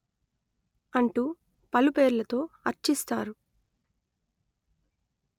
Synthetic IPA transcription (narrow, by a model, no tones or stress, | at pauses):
ɐɳʈu | pɐlupe̞ːɾulɐt̪o̞ːɐɾt͡ʃist̪aːɾu